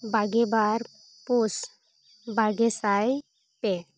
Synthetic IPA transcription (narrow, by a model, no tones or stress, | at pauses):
baɡebaɾ | pus | baɡesaj | pɛ